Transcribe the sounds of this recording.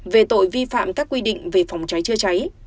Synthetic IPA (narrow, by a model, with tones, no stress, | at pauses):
ve˨˩t̪o̰˧˨jvi˧fa̰ː˧˨mkaː˦˥kːwi˧ɗḭ˧˨ŋ̟ve˨˩fa˨˦wŋ͡mt͡ɕa˨˦jt͡ɕɨ˧ət͡ɕa˨˦j